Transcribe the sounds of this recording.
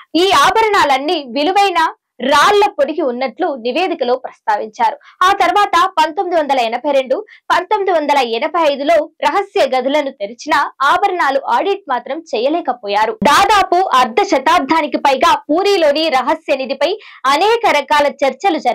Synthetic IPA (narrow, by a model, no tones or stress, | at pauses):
iːaːbʱɐɾɐɳaːlɐnːiːʋiluʋɐjnɐ | ɾaːlːɐpoɽiɡiunːɐʈluniʋeːd̪ʱikɐloːpɾɐst̪aːʋiɲt͡ʃaːɾuaːt̪ɐɾuʋaːt̪ɐpɐnt̪omːid̪uʋɐnd̪ɐlɐɛnɐbʱɐjɾe̞ɳɖupɐnt̪omːid̪uʋɐnd̪ɐlɐɛnɐbʱɐjɐjd̪ulo̞ːɾɐɦɐsjɐɡɐd̪ʱulɐnut̪eɾit͡ʃinɐaːbʱɐɾɐɳaːluʔaːɖiʈ̚maːt̪ɾɐmt͡ʃɛjɐlɛːkɐpɔːjaːɾud̪aːd̪aːpuʔɐɾd̪ʱɐʃɐt̪aːɾd̪ʱaːnikipɐjɡaːpuːɾiːlo̞ːniɾɐɦɐsjɐnid̪ipɐjɐnɛːkɐɾɐkaːlɐt͡ʃɐɾt͡ʃɐlud͡ʒɐɾɐ